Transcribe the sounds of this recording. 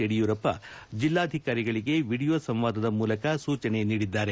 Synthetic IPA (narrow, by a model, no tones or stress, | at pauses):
eɽijuːɾɐpːɐ̰d͡ʒilːaːɐd̪ʱikaːɾiɡɐɭiɡe̞ʋiːɽijoːsɐ̃mʋaːd̪ɐd̪ɐmuːlɐkɐsuːt͡ʃɐne̞niːɽid̪ːaːɾe̞